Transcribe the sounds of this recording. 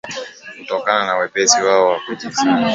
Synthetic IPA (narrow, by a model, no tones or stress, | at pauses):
n̩tɔkananawepesiwaʊakutisa